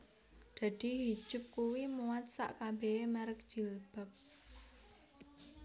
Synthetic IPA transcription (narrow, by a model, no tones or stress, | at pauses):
d̪̥a̤d̪̥i̤ɦi̥ʒ̥ʊ̤p̚kuwimuwat̪̚sa̰ʔkabeemaɾək̚ʒ̥i̤lb̥ə̤p̚